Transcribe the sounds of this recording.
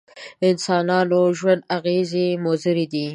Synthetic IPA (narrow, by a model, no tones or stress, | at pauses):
ɪnsɑnɑnoʒwand̪aɣezemozəɾid̪i